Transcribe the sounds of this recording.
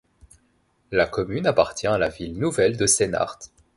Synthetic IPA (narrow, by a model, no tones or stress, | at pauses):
lakɔmynapaʁt̪jɛ̃alavilnuvɛld̪əsena̰ʁt̪